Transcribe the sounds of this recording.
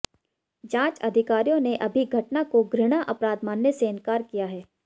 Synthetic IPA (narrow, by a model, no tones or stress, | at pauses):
d͡ʒãːt͡ʃɐd̪ʱɪkaːɾijõneʔɐbʱiɡʱɐʈnakoɡɾɪɽ̃aʔɐpɾaːd̪maːnːeseɪ̃nkaːɾkijaɦɛː